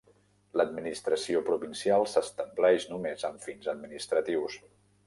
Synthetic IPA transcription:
ləd̪minist̪ɾəsiopɾuβinsialˠsəst̪əmblɛʃnumezəɱfinzəd̪minist̪ɾət̪iws

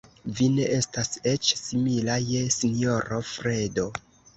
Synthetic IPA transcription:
vine̞ʔe̞stase̞t͡ʃsimilajesino̞ɾofɾe̞do̞

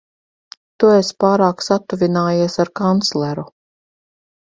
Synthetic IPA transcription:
t̪uespaːɾaːksat̪ːuvʲinaːjiɛsaɾkant̪slˠɛɾu

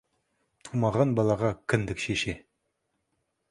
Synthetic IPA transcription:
t̪ʰumɑʁɑnbɑlˠɑʁɑkʲʰɪnd̪ɪkʃeʃe

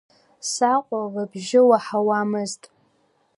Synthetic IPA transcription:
saqʷʼaʁabʒɪwaħawamɨztʼ

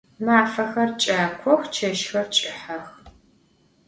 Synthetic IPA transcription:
maːfɐxɐrt͡ʃʼaːkʷʰɔxt͡ʃʰɐʃxɐrt͡ʃʼɪħɐx

